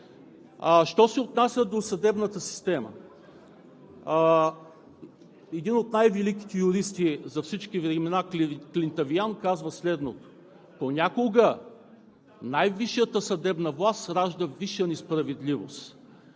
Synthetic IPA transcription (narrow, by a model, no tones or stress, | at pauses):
ʃt̪ɔsɛot̪nasʲəd̪osɐd̪ɛbnət̪əsi̥st̪ɛmə̰ | ɛd̪inot̪najvɛlikʲi̥t̪ɛjuɾist̪izɐfsit͡ʃkivɾɛmɛnaklʲint̪ɐviankazvəslɛd̪not̪o̥ | ponʲakoɡə | najviʃət̪əsɐd̪ɛbnəvlˠast̪ɾaʒd̪əviʃənɛspɾɐvɛd̪livo̰st̪